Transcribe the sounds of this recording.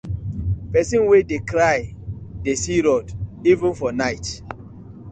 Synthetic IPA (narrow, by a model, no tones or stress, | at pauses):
pɛsĩnwedekɾajdesiɾɔdivə̃nfɔnaɪt